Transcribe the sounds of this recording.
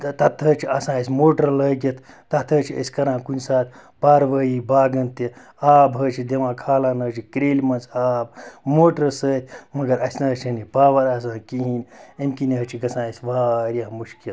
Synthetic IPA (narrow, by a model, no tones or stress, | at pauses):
t̪ɐt̪ʰːəːt͡ʃʰiɐsãːɐsʲmoːʈɐɾləːɡʲɐt̪ʰːɐt̪ʰəːt͡ʃʰiə̰sʲkɐɾãːkunʲsaːt̪ʰʲ | paːɾʋəjiːbaːɡɐnt̪i | aːbɦəːt͡ʃʰid̪eʋãːkʰaːlaːnɐt͡ʃʰikɾeːlʲmɐnt͡saːb̚moːʈəɾsəːt̪ʰʲmɐɡɐɾɐsʲnɐt͡ʃʰɐnipaːʋɐɾas̬ãːkiɦiːnʲɐmkinɦɐt͡ʃʰiɡɐsãːɐsʲʋaːɾʲjɐɦmuʃkil